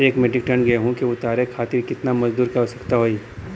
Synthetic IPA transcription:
eːkmɛɖɪk̚ʈə̃ɳɡɐeɦũkiʊt̪aːɾekʰaːt̪ɪɾkɪt̪namɐzd̪uːɾkaɦosɐ̥kt̪aɦoːi

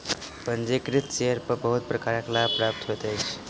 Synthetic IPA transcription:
pənd͡ʒekɾit̪t͡ʃeɾpəɾbəɦut̪̚pɾəkaɾəklabpɾap̚t̪ɦot̪əjt͡ʃʰ

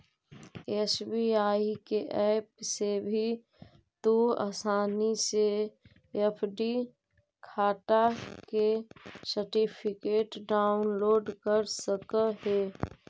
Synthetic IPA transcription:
eːsbiaːikeʔɛːpsebʱi | t̪ua̰ːsaːnise | epʰɖi | kʰaːʈakesəɾʈipʰɪkeːʈɖaːʊnloːɖkəɾsəkəheː

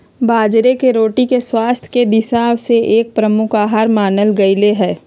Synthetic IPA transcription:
baːd͡ʒɾekeɾoːʈikeswaːst̪ʰjked̪ɪʃaːʋseʔeːk̚pɾɐmʊkaːɦaːɾmaːnəlɡɐɪleɦɛː

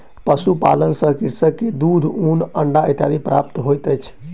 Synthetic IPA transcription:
pəsupa̰lənsə̃kiɾsəkːed̪ud̪ʱunəɳɖaət̪ja̰d̪ʱipɾa̰p̚t̪ɦojt̪əjt͡ʃʰ

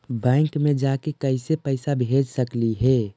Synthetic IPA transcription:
bɛ̃ːŋkmẽd͡ʒaːkekəɪsepəɪsabʱeːd͡ʒsəkliɦɛː

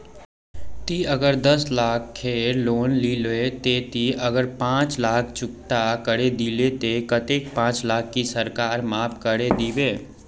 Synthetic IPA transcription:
t̪iɐɡəɾd̪əslaːkʰkʰːeːɾloːnliloet̪et̪iʔɐɡəɾpãːt͡ʃlaːk̚ʰt͡ʃʊkʈakəɾed̪iːlet̪ekət̪eːk̚pãːt͡ʃlaːkʰːisəɾkaːɾmaːpkəɽed̪iːweː

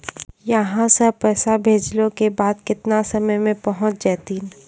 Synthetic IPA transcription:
jɐɦãsɐpɛːsabʱeːd͡ʒlõkebaːd̪kɪt̪nasɐməjmẽpɐɦʊ̃t͡ʃd͡ʒɛːt̪iːn

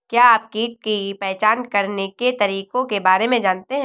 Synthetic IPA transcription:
kjaːaːp̚kiːʈ̚kipɛɦt͡ʃaːnkɐɾneket̪ɐɾiːkõkebaːɾemẽd͡ʒaːnt̪eɦɛ̃

